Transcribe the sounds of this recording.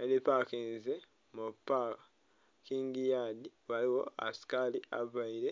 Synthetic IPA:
aidepakiːnze | mupːa | kiːŋɡijadiwaliwo̞̰a̰si̥kaliaβaiɾe

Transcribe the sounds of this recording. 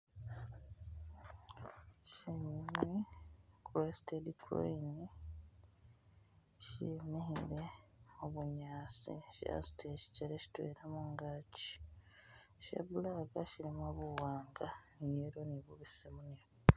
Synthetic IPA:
ʃeɲimikuwestedikʰo̰ini | ʃḭmihiɾeoβuɲaːsḭʃa̰si̥tʰeʃi̥ceɾeʃi̥twḛɾamuŋɡaːci̥ | ʃḛβulaɡaʃiɾimwaβuwaːŋɡanjeɾoniβuβisemuɲe

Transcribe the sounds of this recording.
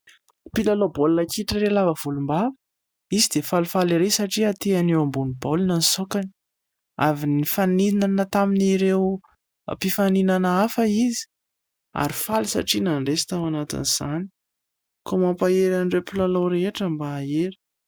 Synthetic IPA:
pilalobolunəkiʈ͡ʂiɾelavəv̥ulumba | izid̪efalufaliɾesaʈ͡ʂiat̪eanewambunibolunənisokani | a̰vinifaninanət̪aminiɾew̰ | pifaninanəafəizi̥ | a̰ɾifalisa̰ʈ͡ʂinanɳɖ͡ʐesi̥t̪awanat̪ḭniz̥ani̥ | komampaeɾanɖ͡ʐepilaloɾeeʈ͡ʂəmbaːeɾi̥

